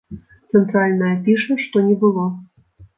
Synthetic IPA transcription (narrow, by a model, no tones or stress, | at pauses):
t̪sɛnt̪ɾalʲnɐjɐpʲiʂɛʂt̪ɔnʲɛbɨlˠɔ